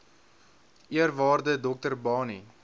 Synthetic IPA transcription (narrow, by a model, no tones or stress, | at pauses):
iərvɑːrdədɔk̚tərbɑːni